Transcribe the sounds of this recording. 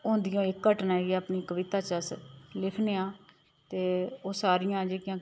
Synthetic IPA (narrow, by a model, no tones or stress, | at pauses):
õːnd̪ɪjõːɪkːəʈnaːeːɡiaːpniːkəʋɪt̪aːt͡ʃəslɪkʰneːãː | t̪eːoːsaːɾɪjãːd͡ʒeːkjãː